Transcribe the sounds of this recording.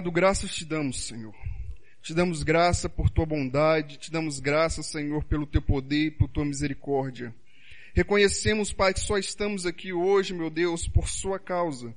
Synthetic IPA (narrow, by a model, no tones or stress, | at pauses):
d̪ʊɡɾasɐst͡ʃɪd̪ɐ̃mʊsːẽɲoɾ | t͡ʃɪd̪ɐ̃mʊzɡɾasɐpoɾt̪uɐbõd̪ad͡ʒɪt͡ʃɪd̪ɐ̃mʊzɡɾasɐsẽɲoɾpelʊt̪ewpod̪eɾipoɾt̪uɐmizeɾikɔɾd͡ʒiɐ | hekõɲesẽmʊspaɾɐkɪ̥sɔɪst̪ɐ̃mʊzakioʒɪmewd̪ewspoɾsuɐkawzɐ